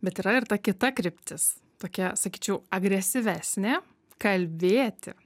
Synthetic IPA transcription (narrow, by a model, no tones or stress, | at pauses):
bʲɛt̪iːɾɐɪrt̪ɐkʲɪt̪ɐkɾʲɪpʲt̪ʲɪs | t̪oːkʲɛsɐkʲiːt͡ʃʲɛʊɐɡɾʲɛsʲɪʋʲæsʲnʲɛ | kɐlʲbʲeːt̪ʲɪ̰